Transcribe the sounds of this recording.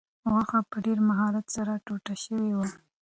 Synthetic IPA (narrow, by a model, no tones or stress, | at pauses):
ɣaxapəɖeɾmaɦɑɾat̪saɾaʈoʈaʃəwewa